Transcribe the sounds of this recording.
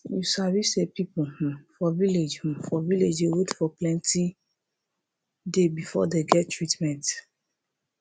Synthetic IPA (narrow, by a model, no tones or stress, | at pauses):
jusavisepipufɔviled͡ʒfɔviled͡ʒewetfɔplɛ̃nti | debifɔ̰deɡɛttːɹitmɛ̃nt